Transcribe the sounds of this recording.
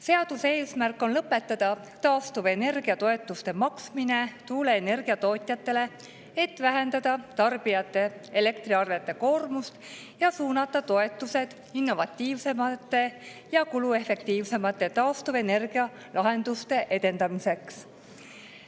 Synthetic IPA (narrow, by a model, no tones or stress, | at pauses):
se̞ɑd̪̥use̞ːsmærkːˑo̞nlɤpːˑe̞t̪ːɑd̪̥ɑ | t̪ɑːst̪uve̞ne̞rɡ̥iɑt̪o̞e̞t̪ːˑust̪e̞mɑksmine̞t̪uːleːne̞rɡ̥iɑt̪o̞ːt̪ʲjɑt̪ːe̞le̞ | et̪ːˑvæɦe̞nd̪ɑd̪̥ɑt̪ɑrb̥ijɑt̪ˑːe̞ele̞kt̪ɾiɑrve̞t̪ːˑe̞ko̞ːrmust̪ | jɑsuːnɑt̪ːˑɑt̪o̞e̞t̪ːˑuse̞d̪̥ | inːo̞vɑt̪ʲːiːvse̞mɑt̪ːˑe̞ | jɑkulue̞fe̞k̚t̪iːvse̞mɑt̪ːˑe̞t̪ɑːst̪uve̞ne̞rɡ̥iɑ | lʔɑɦe̞nd̪̥ust̪e̞ʔe̞d̪e̞nd̪ɑmise̞ks